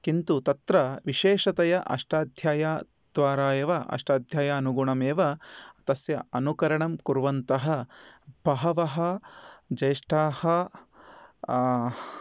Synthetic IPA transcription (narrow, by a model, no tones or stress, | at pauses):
kint̪ut̪ɐt̪ɾɐʋiʃeːʂɐt̪ɐjɐʔɐ̰ʂʈaːd̪ʱjaːjaː | d̪̥ʋaːɾaːjɐʋɐʔɐ̰ʂʈaːd̪ʱjaːjaːɐnuɡuɳɐmeːʋɐt̪ɐsjɐɐnukɐɾɐɳɐmkuɾʋɐnt̪ɐɦɐb̥ʱɐɦɐʋɐɦɐd͡ʒɐjʂʈaːhɐ